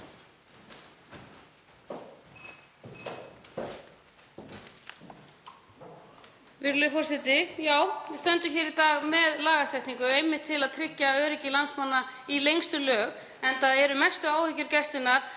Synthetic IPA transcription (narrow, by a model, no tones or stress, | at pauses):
vɪɾlɪfɔr̥sɪt̪ɪjaːwɪst̪œnt̪ʏçɛːɾit̪aːɣmɛðlaːɣasɛjht̪niŋkʏejmːɪht̪ʰːɪlaðt̪ʰɾɪcːaœːɾɪcɪlansmanːa | ilejŋst̪ʏlœːɣ | ɛnθaðɛɾʏmɛst̪ʏaːwhʏcːʏɾcɛst̪ɪnːaɾ̥